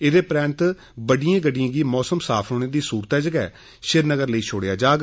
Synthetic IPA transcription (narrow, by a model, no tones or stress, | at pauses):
ɪːd̪eːpɾɛ̃ːnt̪ | bəɖɪjãːɡəɖɪjãːɡiːmɔːsəmsaːpʰɦoːɽ̃eːd̪iːsuːɾt̪ɛːd͡ʒəɡɛː | ʃɪɾnəɡəɾləiːt͡ʃʰoːɽejaːd͡ʒaːɡ